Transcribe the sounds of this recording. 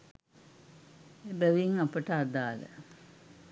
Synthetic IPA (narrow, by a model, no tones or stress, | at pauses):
ebəʋiŋapəʈəad̪aːlə̰